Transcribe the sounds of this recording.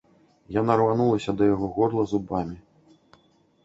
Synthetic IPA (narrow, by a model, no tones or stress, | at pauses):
janaɾvanulˠɐsʲɐd̪ɐjaɣɔɣɔrlˠɐzubamʲi